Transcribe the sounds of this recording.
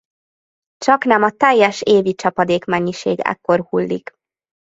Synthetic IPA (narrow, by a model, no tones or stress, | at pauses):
t͡ʃɒkn̪ɛmɒt̪ɛjːɛʃeːvit͡ʃɒpɒd̪eːkmɛɲːiʃeːɡɛ̰kːo̞rhulːḭk